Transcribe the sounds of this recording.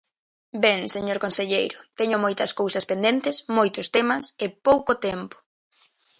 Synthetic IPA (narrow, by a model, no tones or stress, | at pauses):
beŋseɲoɾkonseʎejɾʊt̪ɛɲʊmojt̪ɐskowsɐspend̪ent̪ɪsmojt̪ʊst̪emɐsɪpowkot̪ɛmpʊ̥